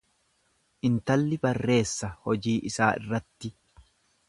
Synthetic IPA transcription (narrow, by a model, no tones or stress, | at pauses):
ʔɪnt̪ɐlːɪbɐrːe̞ːsːɐhɔd͡ʒiːʔɪsaːʔɪ̰rːɐt̪ːɪ